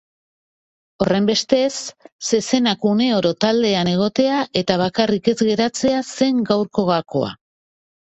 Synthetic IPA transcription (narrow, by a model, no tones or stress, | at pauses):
o̞re̞mbe̞st̪e̞sːe̞se̞nakune̞o̞ɾo̞t̪ald̪e̞ane̞ɣ̞o̞t̪e̞aʔe̞t̪aβ̞akarike̞zɣe̞ɾat͡se̞ase̞ŋɡawɾko̞ɣako̞̰a̰